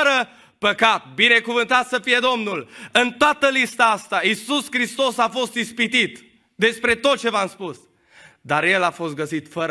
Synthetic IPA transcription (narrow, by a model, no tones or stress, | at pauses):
əɾə | pəkat̪̚bine̞kuvɨnt̪at̪səfije̞d̪o̞mnulɨnt̪oat̪əlist̪aast̪aisuskɾist̪o̞safo̞st̪ispit̪it̪ | d̪e̞spɾe̞t̪o̞t̪̚t͡ʃe̞vamspus | d̪aɾje̞lafo̞st̪ɡəsit̪fəɾ